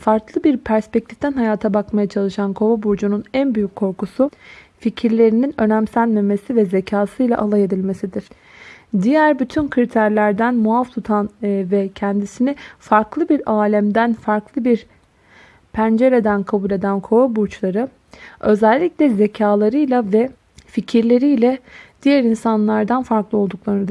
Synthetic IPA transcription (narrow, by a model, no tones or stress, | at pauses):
faɾklˠɯbiɾpʰæɾspɛc̚t̪ʰi̥ft̪ʰænɦajaːt̪ʰabakmajat͡ʃʰalˠɯʃankʰo̞vabuɾd͡ʒununænbyjyckʰːo̞ɾkusuficʰiɾlʲe̞ɾininø̞næmsænme̞me̞sivɛze̞cʰaːsɯjlʲˠa̰ʔalˠaje̞d̪ilʲme̞sid̪iɾ̥ | d̪ijæɾbyt̪ʰynkʰɾit̪ʰæɾlʲæɾd̪ænmuaft̪ʰut̪ʰanvɛcʰɛnd̪isinifaɾklˠɯbiɾaːlʲæmd̪ænfaɾklˠɯbiɾ | pʰænd͡ʒe̞ɾe̞d̪ænkʰabulʲe̞d̪ænkʰo̞abuɾt͡ʃlˠaɾɯ | ø̞zɛlʲːicʲlʲɛze̞cʰaːlˠaɾɯjlˠavɛ | ficʰiɾlʲe̞ɾijlʲɛd̪̥ijæɾinsanlˠaɾd̪anfaɾklˠɯo̞lˠd̪uklˠaɾnd̪